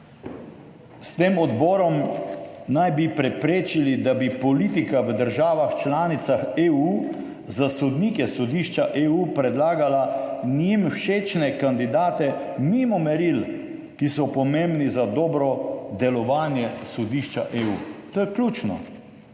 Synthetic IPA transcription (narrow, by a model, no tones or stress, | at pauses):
st̪eːmɔd̪bɔːɾɔm | najbipɾɛpɾeːt͡ʃilid̪abipɔliːt̪̬ikaʋəd̪əɾʒaːʋaxt͡ʃlaːnit̪saxeːu | zasɔd̪niːkɛsɔd̪iːʃt͡ʃaʔeːupɾɛd̪laːɡalanimwʃeːt͡ʃnɛkand̪id̪aːt̪ɛmiːmɔmɛɾil | kisɔpɔmẽmbnizad̪ɔːbɾɔd̪ɛlɔʋaːnjɛsɔd̪iːʃt͡ʃa̰ʔeuːt̪oːjɛklʲuːt͡ʃnɔ̰